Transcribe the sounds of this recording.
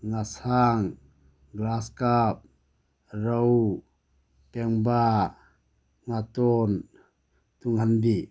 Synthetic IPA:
ŋasaŋ | ɡlaskap̚ | raw | pɛŋba | ŋat̪ɔn | t̪uŋhandi

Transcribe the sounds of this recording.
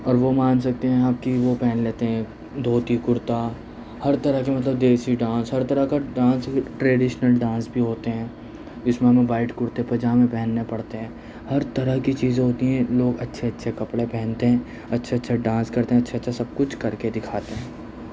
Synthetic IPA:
ɔːɾʋomaːnsɐk̚t̪eɦɛ̃aːpkiʋopɛːnleːt̪eɦɛ̃ | d̪ʱoːt̪ikʊɾt̪a | hɐɾt̪ɐɾəɦkemɐt̪ləb̚d̪eːsiɖãːnsɦɐɾt̪ɐɾəkaɖãːnsʈɾeːɖɪʃnəlɖãːnsbʱiɦoːt̪eɦɛ̃ː | d͡ʒɪsmẽɦɐmẽbaːɪʈkʊɾt̪eɛ̃pɐd͡ʒaːmẽpɛɦnːepɐɽt̪eɦɛ̃ː | hɐɾt̪ɐɾəɦkit͡ʃiːzẽɦoːt̪iɦɛ̃loːɡɐtːʃʰeɐtːʃʰekɐpɽepɛ̃ːnt̪eɦɛ̃ː | ɐtːʃʰeɐtːʃʰaɖãːnskɐɾt̪eɦɐtːʃʰeɐtːʃʰasɐb̚kʊt͡ʃʰkɐɾked̪ɪkʰaːt̪eɦɛ̃ː

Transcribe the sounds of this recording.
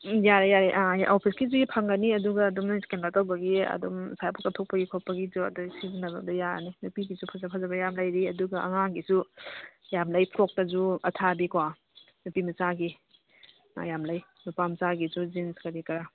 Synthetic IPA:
jaɾajaɾiʔaʔopʰiskizuipʰaŋɡɐniɐduɡɐːdumnɐskenatawbɐɡiɐ̰dumsajpʰukɐtʰok̚pɐɡikʰok̚pɐɡizuɐ̰dusizinɐbɐ̰dɐjaɾa̰ninupiɡizupʰazapʰazabɐjamlajɾiɐduɡɐɐ̰ŋaɡisu | jamlajpʰɾok̚tɐzuɐtʰabikwa | nupimɐt͡ʃaɡi | a̰jamlaj | nupamɐt͡ʃaɡizuzinskɐɾikɐɾa

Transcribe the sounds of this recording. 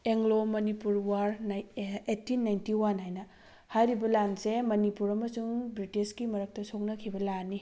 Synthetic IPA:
eŋlomɐnipuɾwaɾ | etinːajntiwanɦajnɐ | hajɾibɐlansemɐnipuɾɐmɐsuŋbɾitiskimɐɾɐk̚tɐsok̚nɐkʰibɐlanːi

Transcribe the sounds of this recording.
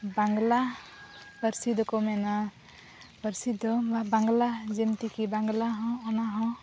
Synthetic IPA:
baŋɡla | bəɾsid̪ʱɔkɔmɛna | bəɾsid̪ʱɔbabaŋɡlad͡ʒɛmt̪ikibaŋɡlaɦɔ̃ːnaɦɔ̃

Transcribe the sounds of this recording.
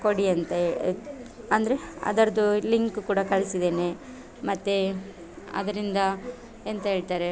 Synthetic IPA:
ko̞ɽiɐnt̪ɐe | ɐnd̪ɐɾeɐ̰d̪ɐɾɐd̪uliŋkukuːɽɐkɐɭisid̪eːne | mɐt̪ːe | ɐ̰d̪ɐɾind̪ɐ | ent̪ɐɦe̞ːɭt̪aːɾe

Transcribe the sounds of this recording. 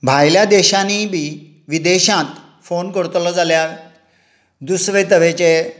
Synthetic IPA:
bʱajljad̪eɕanibi | ʋid̪eɕãt̪ | fonkəɽt̪lɔd͡zalja | d̪usʋet̪əʋet͡ɕe

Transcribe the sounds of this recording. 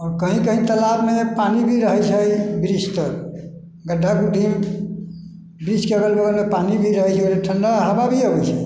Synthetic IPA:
ɔɾkəɦĩkəɦĩt̪əlabmepanibʱiɾəɦɛt͡ʃʰəjbɾist̪əɾ | ɡəɖʱːakuɖʱim | bɾiskebelbəɡəɾmepanibʱiɾəɦəjt͡ʃʰɛoleʈʰəɳɖaɦababʱiəbəjt͡ʃʰɛ

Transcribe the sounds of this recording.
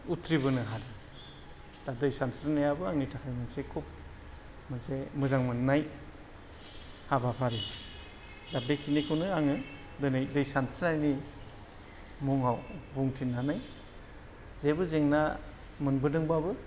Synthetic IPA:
utʰɾibɯnɯɦaɾɯ | d̥adɯjsansnajabɯaŋnitʰakʰajmɯnsekʰup̚ | mɯnsemɯzaŋmɯnːaj | habapʰaɾi | dabekʰinikʰɯwnɯaŋɯ | dɯnɯjdɯjsansɯnajni | muŋawbuŋtʰinːanaj | zebɯzeŋna | mɯnbɯdɯŋbabɯ

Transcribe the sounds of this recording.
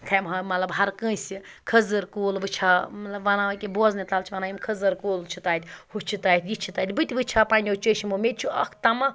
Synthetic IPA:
kʰɐjmɦɐmɐt̪lɐbɦɐɾkə̃ːsikʰɐzɨɾkoːlʋɨt͡ʃʰamɐt̪lɐbʋɐnaʋɐkʲeboznit̪alt͡ʃʰiʋɐnaːjimkʰɐzɐɾkoːlt͡ʃʰut̪aːt̪ʲhut͡ʃʰit̪aːit̪ʰʲjit͡ʃʰit̪aːt̪ʲbɨt̪ʲʋɨt͡ʃʰaːpanʲot͡ʃəʃimomet̪ʲt͡ʃʰuɐkʰt̪ɐmɐ

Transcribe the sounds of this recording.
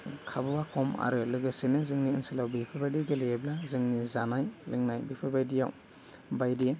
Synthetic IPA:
kʰabɯwakʰɔma̰ɾɯlɯɡɯsinɯzɯŋniɯnsilawbipʰɯbajdiɡeleeblazɯŋnizanajlɯŋnajbipʰɯbajdija̰w | bajdi

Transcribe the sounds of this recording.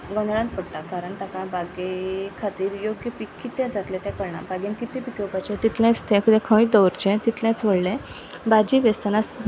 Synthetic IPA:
ɡɔ̃nd̪ɭãnt̪pəɽt̪akaɾəɳt̪akãbaɡekʰat̪iːɾjoɡjəpikːit̪ɛ̃d͡zat̪lẽt̪ɛ̃kəɽɳa̰bʱaɡjãnkit̪ĩpikewpat͡ɕẽt̪it̪lɛ̃t͡st̪ʰɛ̃kʰəd̪ɛ̃kʰə̃ʋit̪d̪ɔwɾt͡ɕẽt̪it̪lãt͡sʋəɭlẽ | bad͡ʑiʋɛst̪anas

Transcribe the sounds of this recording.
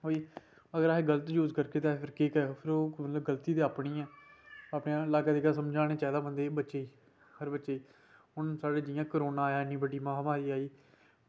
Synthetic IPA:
ɦoːiː | əɡəɾaːɦeːɡələt̪juːzkəɾkeːt̪eaːɦepʰɪɾkeːkɛːpʰɪɾoːmət̪ləbɡəlt̪iːt̪eːaːpɽĩːɛːaːpneãːɪlaːkaːd̪eːkas̬əmd͡ʒaːneːt͡ʃɛːd̪aːbənd̪eːbətːʃeːiː | həɾbətːʃeː | ɦʊnsaːɖeːd͡ʒɪjãːkəɾoːnãːjaːɪnːĩːbəɖiːmãːmaːɾiːaːiː

